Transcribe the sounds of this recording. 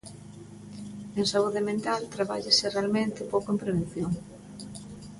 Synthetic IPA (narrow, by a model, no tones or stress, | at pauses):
eŋsauðemẽnt̪alt̪ɾaβa̰ʎasɪrealmẽnt̪ɪpowkoẽmpɾeβ̞enθjoŋ